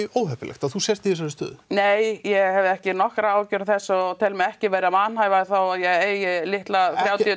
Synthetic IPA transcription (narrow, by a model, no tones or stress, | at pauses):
oːwhɛpɪlɛ̰xt̪aðθusjɛst̪iɪs̬anɪst̪œ̰ːðneːjjɛɣhɛvðɪɛhcɪnɔhkɾaaːwcʏɾθɛsːɔt̪ʰɛlmɛɛhcɪveːɾɪamanhajvaθawajɛɣeːjɪlɪht̪lafɾjaːwt̪i